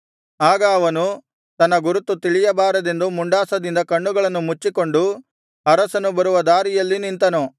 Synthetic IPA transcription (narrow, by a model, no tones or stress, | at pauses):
aːɡɐːʋɐnu | t̪ɐnːɐɡuɾut̪ːut̪iɭijɐbaːɾɐd̪e̞nd̪umuɳɖaːsɐd̪ind̪ɐkɐɳːuɡɐɭɐnːumut͡ʃːiko̞ɳɖu | ɐɾɐsɐnubɐɾuʋɐd̪aːɾijɐlːinint̪ɐnu